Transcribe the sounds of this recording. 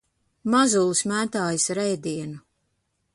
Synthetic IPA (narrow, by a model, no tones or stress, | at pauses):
mazulˠusmæːt̪aːjisɾɛjd̪iɛnu